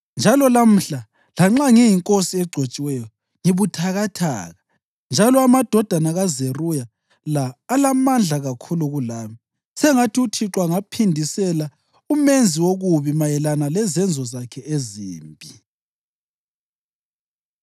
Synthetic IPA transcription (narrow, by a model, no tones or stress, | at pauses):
nd͡ʒʱalɔlam̩ɬa | laŋ͡ǁaŋijiŋkʼosiɛɡ͡ǀʱot͡ʃʼiwɛjɔ | ŋiβutʰaɣatʰa̰ːɣa | nd͡ʒʱalɔamad̥ʱɔd̥ʱanaɣazeruja | laːlamand͡ɮʱaɣakʰuluɣulaːmi | sɛŋatʰiutʰiǁwaŋapʰindʱisɛla | umend͡zʱiwoɣuβimajɛlanalɛzɛnd͡zʱɔzakʰɛʔeziːmbʱi